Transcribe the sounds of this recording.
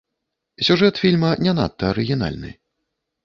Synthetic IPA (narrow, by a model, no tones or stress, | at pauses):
sʲuʐɛt̪fʲilʲmɐnʲɛna̰t̪ːɐːɾɨɣʲin̪a̰lʲnɨ̰